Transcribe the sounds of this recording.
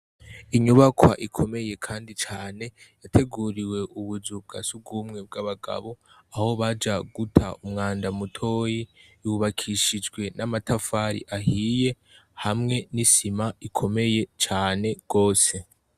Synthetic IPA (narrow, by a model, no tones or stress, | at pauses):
iɲuβakwa̰ʔikʰo̞me̞je̞kʰaːndit͡ʃaːne̞jatʰe̞ɡuɾiwe̞ʔuβuzub̚ɡasub̚ɡuːmŋe̞b̚ɡaβaɡa̰βo̞ | aho̞βad͡ʒaɡutʰa̰umŋaːndamutʰo̞ːjijuβakʰiʃid͡ʒɡwe̞namatafaɾḭʔahiːje̞ | hamŋe̞nisimaikʰo̞me̞je̞t͡ʃaːne̞ɡ̥o̞ːse̞